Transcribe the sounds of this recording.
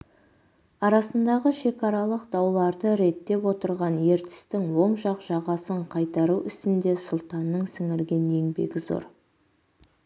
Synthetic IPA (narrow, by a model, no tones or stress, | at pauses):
ɑɾɑsənd̪ɑʁəʃe̞kɑɾɑlˠəqd̪̥ɑwlˠɑɾd̪əɾe̞t̪ːe̞pwo̞t̪əɾʁɑnje̞ɾt̪ɪ̥st̪ɪŋwo̞mʃɑqʒ̥ɑʁɑsəɴqʰɑjt̪ɑɾuʏst̪ɪnd̪e̞sʊlˠt̪ɑnːəɴsɪŋɪɾɡʲe̞nje̞ŋbe̞̰ɡʲɪzo̞̰ɾ